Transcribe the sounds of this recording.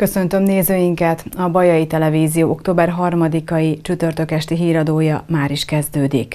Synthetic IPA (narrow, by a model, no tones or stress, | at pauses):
kø̞sø̞nt̪ø̞mneːzøːjiŋkɛt̪ɒbɒjɒjit̪ɛlɛviːzijoːokt̪oːbɛrɦɒrmɒd̪ikɒjit͡ʃyt̪ø̞rt̪ø̞kɛʃt̪iɦiːɾɒd̪oːjɒmaːɾiʃkɛzd̪øːd̪ḭk